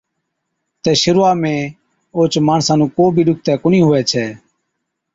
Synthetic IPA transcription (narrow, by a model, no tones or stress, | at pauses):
t̪ɛːʃəɾːaːmẽː | oːt͡ʃmaːɳsãːnũːkoːbʱiːɗʊk̚t̪ɛːkʊnĩːɦʊʋɛːt͡ʃʰɛː